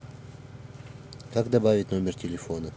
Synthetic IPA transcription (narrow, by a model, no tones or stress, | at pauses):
kakd̪ɐbavʲɪtʲno̞mʲɪrtʲɪlʲɪfo̞nə